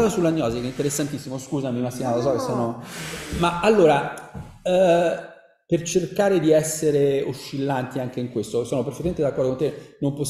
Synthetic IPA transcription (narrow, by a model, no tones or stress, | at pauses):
zasulːaɲːɔːzikɛint̪eɾesːant̪isːimoskuːzamimast̪ːinat̪aos̬ɔkesːɔːno | maalːoːɾa | pert͡ʃerkaːɾed̪iɛsːeɾeoʃːilːant̪iaŋk̟eiŋkwest̪osɔːnoperfet̪ːament̪ed̪akːɔrd̪okont̪enompos